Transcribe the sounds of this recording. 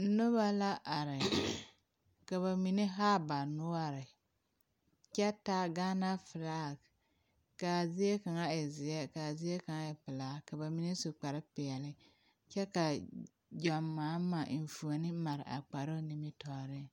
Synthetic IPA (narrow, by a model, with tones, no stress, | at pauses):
no˦ba˦la˦ʔa˨ɾɪ˨ | ka˨βa˨mi˨ne˦ɦa˦ba˨nʊ˦a˦ɾɪ˨ | t͡ʃɛ˦ta˦ɡaː˦na˦fɪ˨ɾaː˦˨ | ka˨zɪ˦ɛ˦ka˨ŋa˦ɪ˨zɪ˨ɛ˦ka˨zɪ˦ɛ˦ka˨ŋa˦ɪ˨pɪ˨la˨ka˨ba˨mi˨˦ne˦su˨k͡pa˨ɾɪ˦pɪ˨ɛ˨lɪ˦ | t͡ʃɛ˦ka˨ | d͡ʒɔ˨mːaː˨˦ma˨˦n̩˨fu˨o˨nɪ˦ma˨ɾɪ̰˨ʔa̰˨k͡pa˨ɾo˦ni˦mɪ˦tɔ˨ɾɪ˦